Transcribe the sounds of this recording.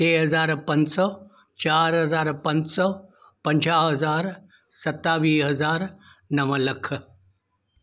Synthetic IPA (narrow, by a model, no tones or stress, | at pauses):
t̪eːɦɐzaːɾpɐ̃ɲd͡ʑsɔː | t͡ɕaːɾɦɐzaːɾpɐ̃ɲd͡ʑsɔ | pɐ̃ɲd͡ʑaːɦɐzaːɾ | sɐt̪ːaːʋiːɦɐzaːɾ | nɐʋələkʰ